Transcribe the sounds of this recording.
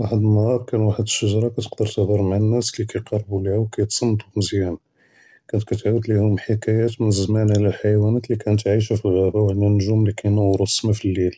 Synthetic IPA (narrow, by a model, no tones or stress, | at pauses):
waħəd̪nhɑɾˤkænwaħəd̪əʃːəʒɾˤɑkæt̪ə̥qd̪əɾt̪əhd̪əɾˤmʕnːæslikæjqɑrˤːbulihæwkæjt̪sˤɑnːt̪umzjæn | kænt̪kæt̪ʕwəd̪lihʊmħikæjæt̪mənəzmænʕlælħajwænæt̪likænət̪ʕiʃ̬æfilɣæbæwʕənd̪ænːəʒumlikænæwɾˤʊsːmæfilːil